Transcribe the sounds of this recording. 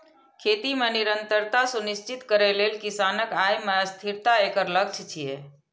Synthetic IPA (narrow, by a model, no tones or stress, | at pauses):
kʰet̪imeniɾənt̪əɾt̪asunist͡ʃit̪kəɾɛlelkisanəkajmeəst̪ʰiɾt̪aekəɾləɡ̚t͡ʃʰt͡ʃʰije